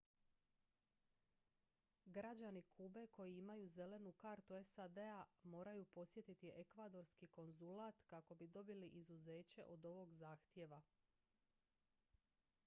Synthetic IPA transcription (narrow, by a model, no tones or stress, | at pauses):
ɡɾad͡ʑanikʰuːbe̞ko̞jiimajuze̞le̞nukaɾt̪ue̞sad̪e̞amo̞ːɾajupo̞sje̞t̪it̪iʔe̞kʋad̪o̞ɾskiko̞nzulaːt̪kako̞bid̪o̞biliʔizuze̞ːt͡ɕe̞ʔo̞d̪o̞ʋo̞ɡzaːxt̪je̞ʋa